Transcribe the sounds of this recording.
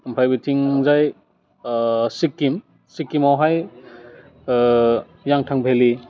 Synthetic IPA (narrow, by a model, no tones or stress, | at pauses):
mpʰajbitʰiŋzaj | sikːim | sikːimawɦaj | jaŋtʰaŋbʱeli